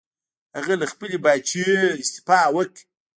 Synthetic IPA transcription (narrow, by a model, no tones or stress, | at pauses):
haɣalaxpəlebat͡ʃieɪst̪ɪ̥fɑwək